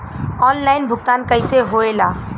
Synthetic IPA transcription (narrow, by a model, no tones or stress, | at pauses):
ɔːnlaːɪnbʱʊkt̪aːnkəɪseɦoelaː